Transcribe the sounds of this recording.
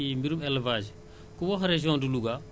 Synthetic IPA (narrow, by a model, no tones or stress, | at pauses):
imbiɾumɛlvaːd͡ʒ | kuwɔɦɾeʒiɔ̃nduluɡa